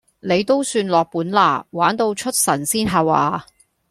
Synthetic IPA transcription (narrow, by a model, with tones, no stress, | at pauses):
ne˨˧jt̪o˥wsyː˧nlɔː˨k̚puː˨˥nla̰ː˨˩waː˨˥nt̪o˧wt͡ʃʰɵ˥t̚sɐ˨˩nsiː˥nɦaː˨wa̰ː˨˧